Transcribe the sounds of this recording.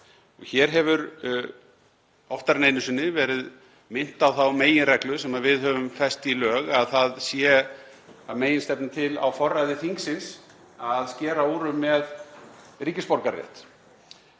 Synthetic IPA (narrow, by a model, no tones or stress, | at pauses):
ɔɣçɛɾɦɛvʏɾ | ɔft̪aɾneːjnʏsɪnːɪvɛːɾɪð | mɪn̥t̪awθawmeːjɪnrɛklʏsɛmaðvɪðhœvʏmfɛst̪ilœːɣaðθaðsjɛ | ameːjɪnst̪ɛpnɪt̪ʰɪla̰wfɔrːajðɪθiŋksɪns | aðscɛːɾaoːɾʏmːɛðriːcɪspɔɾkaɾrjɛ̰t̪